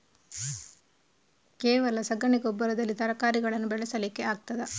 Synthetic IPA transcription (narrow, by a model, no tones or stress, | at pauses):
keːʋɐlɐsɐɡɐɳiɡɔbːɐɾɐd̪ɐlːit̪ɐɾɐkaːɾiɡɐɭɐnːubɛɭɛsɐliːkːeaːɡ̚t̪ɐd̪e